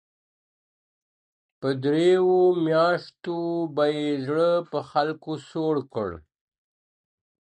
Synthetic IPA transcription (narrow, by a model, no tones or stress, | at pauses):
pəd̪ɾewomjɑʂt̪obajezɽəpəxalkosoɽkə̰ɽ